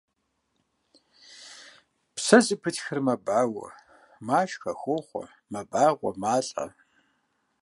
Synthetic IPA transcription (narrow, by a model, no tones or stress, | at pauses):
psɐzɨpʰɨtxɨrmɐbaːwɐ̰ | maːʃxɐxʷoːχʷɔ̰ | mɐbaːʁʷɔmaːɬʼɐ̰